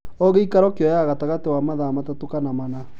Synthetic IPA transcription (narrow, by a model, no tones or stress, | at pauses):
ɔɣeikaɾɔkeɔjaɣataɣatewamaðamatatokanamana